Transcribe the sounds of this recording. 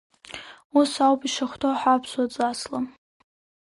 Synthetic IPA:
usawpʼiʂaχʷtʰoħapʰswat͡sʼasla

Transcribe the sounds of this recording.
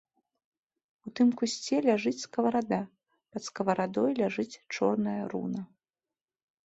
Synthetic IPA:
ut̪ɨmkusʲt͡sʲɛlʲaʐɨt͡sʲskɐvɐɾad̪a | pɐt̪skɐvɐɾad̪ɔjlʲaʐɨt͡sʲt͡ʂɔ̰rnɐjɐɾṵnɐ

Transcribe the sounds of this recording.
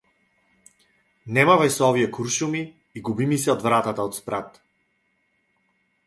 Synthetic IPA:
nɛmavajsɔvijɛkuɾʃumiː | ɡubimisɛɔd̪vɾat̪at̪aɔt̪spɾat̪

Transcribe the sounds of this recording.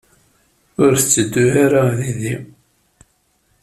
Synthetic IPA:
ʊɾθət͡sːəd̪ːuaɾaðiði

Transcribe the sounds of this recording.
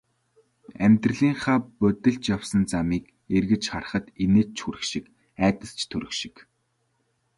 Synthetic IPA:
æmʲt̪rə̆ɮiːŋχaːpɵt̪ɘ̆ɮt͡ɕjawsə̆nt͡samiːk | erɣɘ̆t͡ɕχarə̆χə̆t̪eneːt͡ɕʰxuɾɘ̆ʃɪ̆k | æːt̪ə̆ɬt͡ɕʰt̪ʰɵɾɵ̆xʃɪ̥̆k

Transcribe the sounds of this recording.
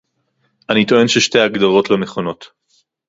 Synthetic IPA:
ʔanit̪o̞e̞nʃeʃtejaɡd̪aʁo̞t̪lemeχo̞no̞t̪

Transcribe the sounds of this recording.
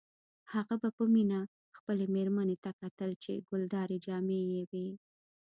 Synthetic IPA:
haɣabapəmina | xpəlemeɾmanet̪akat̪əlt͡ʃḛɡʊld̪ɑɾed͡ʒɑmejewe

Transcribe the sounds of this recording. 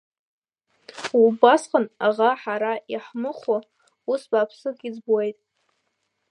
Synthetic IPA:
ubasqʼənaʁaħaɾaiħmɨχa | usbaːpʰsɨɡʲid͡zbuejtʼ

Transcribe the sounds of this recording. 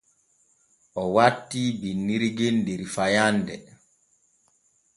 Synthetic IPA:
ʔɔwatːiːbinːiɾiɡendeɾifajandɛ

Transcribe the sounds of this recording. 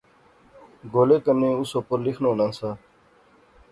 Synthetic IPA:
ɡoːleːkənẽːʊsoːpəɾlɪkʰnõːnãːsaː

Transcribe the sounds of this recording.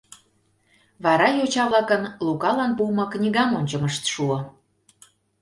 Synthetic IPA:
βɑɾɑjot͡ɕɑβlɑkənlukɑlɑnpumɤ̆knʲiɣɑmonʲt͡ɕə̆məʃt̪ʃuɤ̆

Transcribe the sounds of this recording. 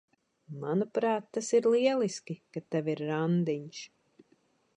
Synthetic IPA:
manupɾaːt̪ːasiɾlˠiɛlˠiskʲikat̪ɛviɾːand̪iɲʃ

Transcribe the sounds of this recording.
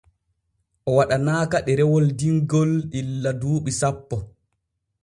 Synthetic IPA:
ʔɔwaɗanaːkaɗɛɾɛwɔldiŋɡɔlɗilːaduːɓisapːɔ

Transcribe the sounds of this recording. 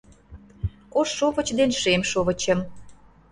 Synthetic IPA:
oʃːoβə̆t͡ɕd̪enʃemʃoβə̆t͡ɕə̆m

